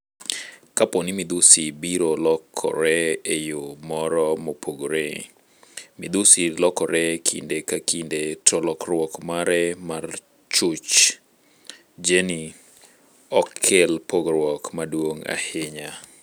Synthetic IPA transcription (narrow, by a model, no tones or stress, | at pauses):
kapɔnɪmɪd̪usibiɾolɔkʰːɔ̰ɾɛejomɔɾɔmopʰoɡɾe | mɪd̪usilɔkɔɾɛkʰḭndekakindetʰɔlɔkrwɔkmaɾɛmar | t͡ʃʊt͡ʃ | d͡ʒeni | ɔkʰːɪlpʰoɡɾwɔkmadwoŋa̰hɪɲa